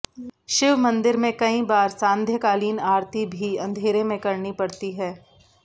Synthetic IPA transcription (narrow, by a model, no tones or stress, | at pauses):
ʃɪʋmɐ̃nd̪ɪɾmẽkɐĩbaːɾsãːnd̪ʱjəkaːliːnaːɾt̪ibʱiɐ̃nd̪ʱeːɾemẽkɐɾnipɐɽt̪iɦɛː